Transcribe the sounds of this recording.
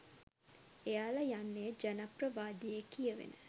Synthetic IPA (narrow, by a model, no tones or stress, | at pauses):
ejaːləjanːeəd͡ʒanaprəʋaːd̪ijekijəʋḛnə̰